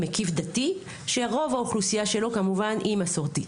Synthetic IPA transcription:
mekifd̪ati | ʃeʁo̞vaoχlusijaʃe̞lo̞kamuvanʔimasoʁtit

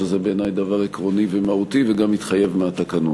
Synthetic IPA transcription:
ezebeeːnajd̪avaʁekʁo̞nivemaut̪iveɡamit̪χaje̞vmeat̪akanut

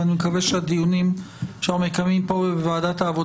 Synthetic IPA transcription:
animekaveʃead̪ijunim | ʃamekamimpobebevaːd̪at̪haːvo

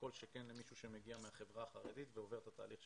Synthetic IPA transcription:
ko̞lʃekenlemiʃuʃemeɡiameaχe̞vʁaːχaʁed̪it̪veo̞ve̞t̪at̪a̰ːliχʃ

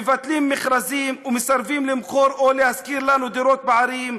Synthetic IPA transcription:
evat̪limːeχɾazimumesaɾvimlimχo̞ɾolehazkiɾlanud̪iɾo̞t̪̚baʕaɾim

